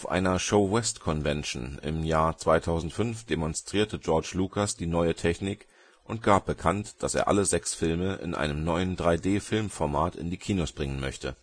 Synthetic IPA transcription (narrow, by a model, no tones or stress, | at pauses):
ʔaʊfʔa̰ɪnɐʃoʊwɛstkʰɔnvɛnʃn̩ɪ̰mjaːɐt͡sv̥aɪtʰaʊzn̩tfʏnfd̥emɔnstʁ̥iːɐtʰəd͡ʒɔɐt͡ʃluːkʰasd̥iːnɔʏətʰɛçnɪk | ʔʊnt̚ɡ̥aːp̚b̥əkʰantd̥asḛːɐʔa̰ləzɛksfɪlməʔɪ̰nʔa̰ɪnəmnɔʏəndʁaɪdeːfɪlmfɔɐmaːtɪ̰ndiːkʰiːnosb̥ʁɪŋənmœçtə